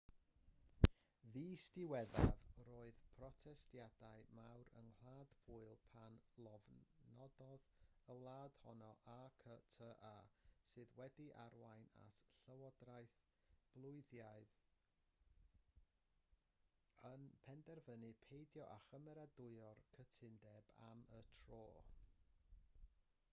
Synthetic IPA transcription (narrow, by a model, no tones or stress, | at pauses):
viːstɪwɛðavroːɨð̥pʰrɔtʰɛstjadaɨmawɾə̰nhl̥ˠaːdb̥ʰʊɨlˠpʰanlˠɔvnɔdɔðəwlˠaːd̥hɔnɔʔakʰətʰəʔaːsɨːðwɛdiʔarwajna̰tʰɬəwɔdrajθ | b̥lˠʊɨðjaɨð | ənpʰɛndɛrvənɨpʰejdjɔʔaχəmɛɾadʊɨɔrkʰətʰɪndɛba̰mətʰroː